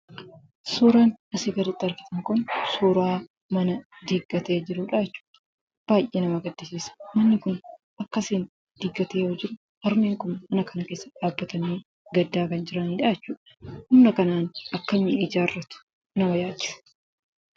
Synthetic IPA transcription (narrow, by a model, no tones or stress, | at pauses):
suːɾaːnɐseːɡɐɾɪt̪ʼːɐɾkɪ̥t̪ɐŋkʊnsuːɾaː | mɐnɐd̪iɡːɐt̪eːd͡ʒɪɾʊːᶑaːjɛt͡ʃːu̥ːᶑɐ | b̥aːjʔʔeːnɐmɐɡɐd̪ːɪsiːsɐ̥mɐnːɪkʊn | ʔɐkːɐsiːn | d̪̥ɪɡːɐt̪eːhɔd͡ʒɪɾʊ | ɐɾmeːŋkʊnmɐnɐkɐnɐke̞ːsːɐᶑaːbːɐt̪ɐniː | ɡɐd̪ːaːkɐnd͡ʒɪɾɐniːᶑajɛt͡ʃːuːᶑɐ̥hʊmnɐkɐnaːnɐkːɐmːɪɪd͡ʒaːrːɐt̪ʊ̥ | nɐmɐjaːt͡ʃːɪ̥sɐ̥